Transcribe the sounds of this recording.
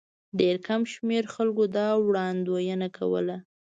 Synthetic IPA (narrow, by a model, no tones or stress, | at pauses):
ɖeɾkamʃmeɾxalkod̪ɑwɽɑnd̪wojənakʰa̰wə̰la